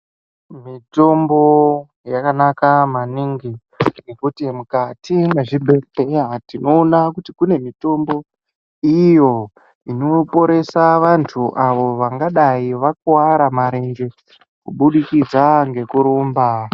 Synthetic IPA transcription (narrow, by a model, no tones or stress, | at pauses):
mito̞mbo | jakanakamaniŋɡi | ne̞kutimukatʰimweʐibʱepeatino̞ːnakutikune̞mito̞mbo̞ | ijo̞ | ino̞po̞ɾe̞saʋantʰuʔaʋo̞ʋaŋɡaɗaiʋak̚waɾamaɾe̞ŋɡe̞ | kuɓuɗikid͡zaŋɡe̞kuɾoːmba